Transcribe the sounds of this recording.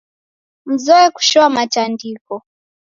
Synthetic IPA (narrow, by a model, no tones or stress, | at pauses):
m̩zɔɛku̥ʃɔamatandikɔ